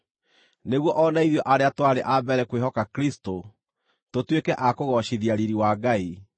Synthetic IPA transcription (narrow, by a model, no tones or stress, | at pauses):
neɣwɔʔɔnaiðjɔʔaɾeatwaɾeʔabɛɾɛkweɦɔkakɾisto | totwekɛʔakoɣɔʃiðiaɾiɾiwaːɡai